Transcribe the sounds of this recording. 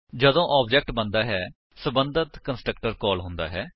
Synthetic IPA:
d͡ʒəd̪õːʔaːbd͡ʒɛːk̚ʈbənd̪aːɦɛː | səbənd̪ət̪kənsʈɾəkʈəɾkɔːlɦʊ̃nd̪a̰ːɦɛː

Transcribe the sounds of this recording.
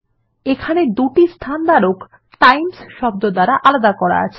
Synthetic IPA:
ekʰaned̪uʈist̪ʰand̪aɾok | ʈajmsʃɔb̚d̪od̪aɾaʔalad̪akɔɾa̰a̰t͡ɕʰe

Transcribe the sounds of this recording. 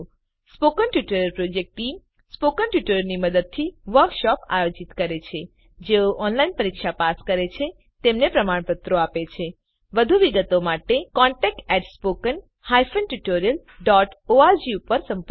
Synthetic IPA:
spokənʈjuʈoɾijəlpɾod͡ʒek̚ʈːʈim | spokənʈjuʈoɾjəlniməd̪əd̪̚t̪ʰiʋəɾkʃɔpa̰jod͡ʒit̪kəɾet͡ʃʰe | d͡ʒeoʔɔnlainpəɾikʃapaskəɾet͡ʃʰe | t̪emnepɾəmaɽ̃pət̪ɾoapet͡ʃʰe | ʋəd̪ʱuʋiɡət̪omaʈekɔ̃ɳʈɛk̚ʈɛʈspokən | hajfənʈuʈoɾijəl | ɖɔʈoaɾd͡ʒiupəɾsə̃mpə

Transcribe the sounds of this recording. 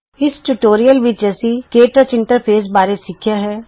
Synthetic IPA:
ɪsʈuʈoːɾijəlʋɪt͡ʃd͡ʒɛːsikeːʈət͡ʃɪ̃ɳʈəɾpʰeːs̬baːɾesɪkʰːjaɦɛː

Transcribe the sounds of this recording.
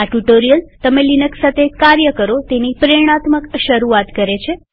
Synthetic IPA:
aʈuʈoɾijəlt̪əmelinəksat̪ʰekaɾjəkəɾot̪enipɾeɽ̃at̪məkʃəɾuat̪kəɾet͡ʃʰe

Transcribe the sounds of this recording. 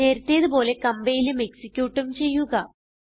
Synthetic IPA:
e̞ːɾt̪ːe̞ːɐðubo̞ːle̞kɐmbejilumeksikʲːjuːʈːumt͡ɕe̞jːuɣɐ

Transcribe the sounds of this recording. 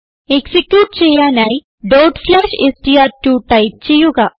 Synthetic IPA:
eksikjuːʈ̚t͡ɕejanaj | ɖoʈslaɕesʈijaɾʈuːʈaip̚t͡ɕijuɡa

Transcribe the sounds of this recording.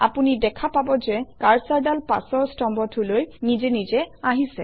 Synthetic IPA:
a̰punidɛkʰapabɔzɛkaɹsaɹdalpa̰sɔɹstɔmbɔtʰulojnizɛnizɛaɦisɛ̰

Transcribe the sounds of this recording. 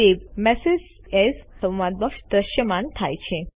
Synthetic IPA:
eʋmɛsez | ɛssə̃wʋad̪̚bəkʃd̪ɾəʃjəmant̪ʰa̰jt͡ʃʰe

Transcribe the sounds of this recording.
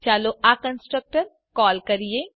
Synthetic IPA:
t͡ʃaːloakɐ̃nsʈɾək̚ʈəɾ | kɔːlkɐɾie

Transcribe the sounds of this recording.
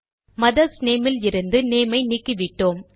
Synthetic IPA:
mɐðɐsneːmɪlɪɾɯnd̪ɯneːmɐɪnɪkːɯʋɪʈːoːm

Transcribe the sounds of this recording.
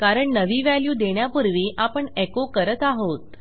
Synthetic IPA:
kaɾəɳnəʋiʋaljuːd̪eɳjapəɾʋiʔapəɳekokəɾət̪aɦot̪

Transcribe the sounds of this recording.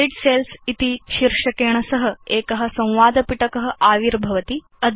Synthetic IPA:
iɖselsit̪iɕiɾʂɐkeːɳ̃ɐsəɦəeːkɐɦɐ̆sɐ̃w̃ʋaːd̪ʱəpiʈəkəɦə̆ʔaːʋiɾbʱɐʋət̪i | əd̪ʱ

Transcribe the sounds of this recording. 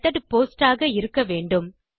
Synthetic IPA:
t̪ːɐɽpoːsʈaːɣɐɪɾɯkːɐʋeːɳɖɯm

